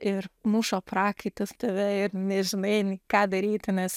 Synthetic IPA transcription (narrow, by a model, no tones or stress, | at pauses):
ɪɾnuːʃoːpɾɑːkɐɪt̪ɐst̪ɐʋʲɛɪɾnʲɛʒʲɪnɐɪnʲkɑːd̪ɐɾʲiːt̪ʲɪnʲɛs